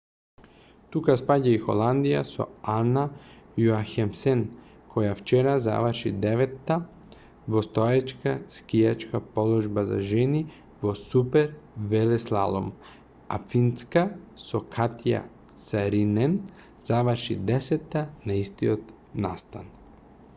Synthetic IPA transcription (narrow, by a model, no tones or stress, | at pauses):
t̪ukaspaɟaixo̰lˠand̪ija̰so̰anajuaxɛmsɛn | kʰɔjaft͡ʃɛɾaza̰ʋəɾʃid̪ɛʋɛt̪ːa | vɔst̪ɔjɛt͡ʃkaskijat͡ʃkapɔlˠɔʒbaza̰ʒɛni | vɔsupɛɾvɛlɛslˠa̰lˠɔ̰m | a̰finskasɔkʰat̪ja̰ | saɾinɛn | z̥aʋəɾʃid̪ɛsɛt̪ːanaist̪iot̪ | na̰st̪a̰n